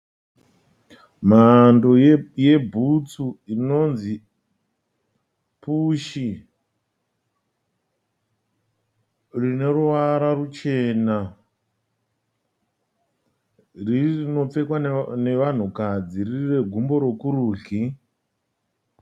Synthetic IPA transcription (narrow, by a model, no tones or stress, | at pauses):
m̤ando̞je̞bʱut͡suino̞nzi | puʃi | rine̞ruʋaɾarut͡ʃe̞na | rino̞p͡fe̞kwane̞ʋan̤ukad͡zirire̞ɡʱumbo̞ɾo̞kuɾuːɮi